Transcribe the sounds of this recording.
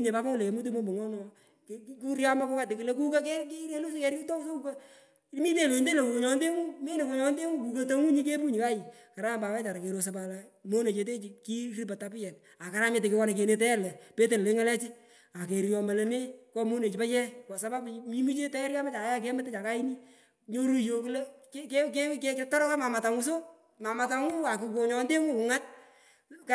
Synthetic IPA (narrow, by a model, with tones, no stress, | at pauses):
ne˨pa˦pa˦ʊ˦le˨ke˨mu˦t̬u˦mo˦mbo˨ŋɔ˦nɔ˨ | kku˦ɾja˦ma˦ko˦ka˦tɪ˨kɨ˨le˦ku˦ka˦ke˦ki˦ɾe˦lu˦skɛ˨ɾu˦to˦so˦u˦ka˦ | mi˦te˦lo˨nde˦le˨ku˨ko˨ɲɔ˨nde˦mu˦me˦ne˨ko˨ɲɔ˦nde˦mu˦ku˨ka˦to˦mu˦ɲi˦ke˦pu˦ɲi˨ka˦ji˨ | ka˨ɾa˦mba˨wɛ˦t͡ʃa˨ɾa˨ke˨ɾo˨sa˨pa˨la˨mo˦ne˨t͡ʃe˨te˦t͡ʃi˨ki˦ri˦pa˨ta˦pɪ˦jɛ˨n | a˨ka˨ɾa˦mɪ˨tɪ˨kɪ˦wɔ˦ne˨ke˨ne˨tɛ˦lɛ˨pe˦te˨ɾle˦ŋa˦lɛ˦t͡ʃi˦ | a˨ke˨ɾjɔ˨mbɛ˨le˨nɪ˦kɔ˦mo˦ne˨t͡ʃi˨pa˦t͡ʃɛ˦kɔ˨sa˦ma˦pmi˦mu˦t͡ʃe˦tɛ˦ɾka˦ma˦t͡ʃa˨˦ja˦k̬e˦mɪ˦te˦t͡ʃa˨ka˦i˦ni˦ | ɲo˦ɾo˦jo˨kɨ˦le˦kke˦ke˦ke˦ke˦tɔ˦ɾɔ˦ka˦ma˨ma˨ta˨ŋu˦s̬o˦ | ma˨ma˨ta˦ŋu˦a˨ku˨ko˨ɲɔ˨nde˦ŋu˦ku˨ŋa˦t̚ | k